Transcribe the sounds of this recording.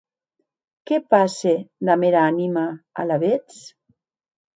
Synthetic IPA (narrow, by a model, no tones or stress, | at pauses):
kepased̪ameɾaanimaa̰laβet͡s